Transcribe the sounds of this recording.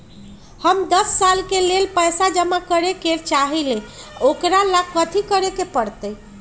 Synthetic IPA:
həmd̪əsːalkelelpəjsad͡ʒəmakəɾeket͡ʃaɦileokɾalakːət̪ʰikəɾekepəɾt̪əj

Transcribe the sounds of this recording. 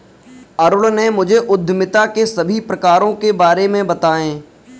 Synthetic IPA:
ɐɾʊɭnemʊd͡ʒʱeʔʊd̪ʱːmɪt̪akesɐbʱipɾɐkaːɾõkebaːɾemẽbɐt̪aːẽː

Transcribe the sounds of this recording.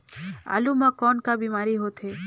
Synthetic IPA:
a̰lumãkɔːnkabiːmaːɾiɦot̪ʰɦe

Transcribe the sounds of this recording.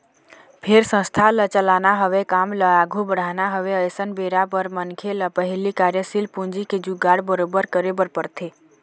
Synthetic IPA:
pʰeɾsə̃st̪ʰalət͡ʃəlanaɦəʋekamləaɡʱubəɽ̤anaɦəʋeəjsənbeɾapəɾmənkʰeləpəɦilikaɾjəsilpund͡ʒiked͡ʒuɡaɽbəɾobəɾkəɾebəɾpəɾt̪ʰe

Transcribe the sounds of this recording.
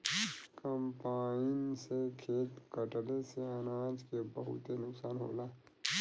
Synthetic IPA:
kəmpaːɪnsekʰeːt̪kəʈleseənaːd͡ʒkebəɦṵt̪enʊksaːnɦo̰ːla

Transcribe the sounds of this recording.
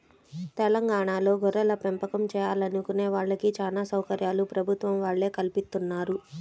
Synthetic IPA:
t̪ɛlɐŋɡaːɳaːlo̞ːɡʱɔɾɐlɐpempɐkɐmt͡ʃɛːjaːlɐnukune̞ːʋaːɭːɐkit͡ʃaːnaːsɐwkɐɾjaːlupɾɐbʱut̪ʋɐmʋaːɭːe̞ːkɐlpist̪unːaːɾu

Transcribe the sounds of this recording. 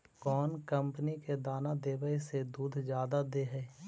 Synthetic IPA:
kɔːnkə̃mpəniked̪aːnad̪eːʋəised̪uːd̪ʱd͡ʒjaːd̪ad̪eːɦɛː

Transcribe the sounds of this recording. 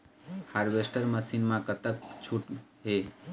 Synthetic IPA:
haɾbesʈəɾməsinmãkət̪ək̚t͡ʃʰuʈɦe

